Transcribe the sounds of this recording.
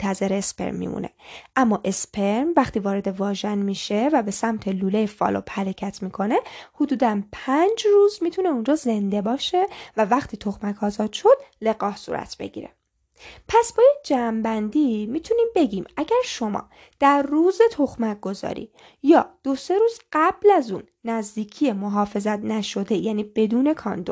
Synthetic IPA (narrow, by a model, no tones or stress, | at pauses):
t̪ʰæze̞ɾeːspe̞̰ɾmːḭmṵnḛʔæmːɒːʔe̞spʰeɾmvæxt̪ʰiːvɒːɾe̞d̪e̞vɒːʒænmiːʃe̞væbe̞sæmt̪ʰe̞luːlejefɒ̰ːlʔo̰bhæɾecʰæt̪ʰmiːkʰo̞ne̞hod̪uːd̪ænpʰænd͡ʒruːzmiːt̪ʰune̞und͡ʒɒːze̞nd̪e̞bɒːʃe̞vævæxt̪ʰiːt̪ʰo̞xmækʰɒːzɒːd̪̥ʃo̞d̪̥̚le̞ɣɒːhsṵːɾæ̰t̪ʰbe̞̰ɟḭːɾḛ | pʰæsbɒːind͡ʒæːmbænd̪imiːt̪ʰuniːmbe̞ɟiːmæɟæɾʃo̞mɒ̰ː | d̪̥æɾːuːze̞t̪ʰo̞xmæk̚ɡ̥o̞zɒ̰ːɾḭː | jɒːd̪̥o̞se̞ɾuːz̥ɢæblæzuːnːæzd̪iːcʰije̞moɦɒːfe̞zæt̪næʃo̞d̪e̞jæːniːbe̞d̪uːne̞kʰɒ̰ːnd̪o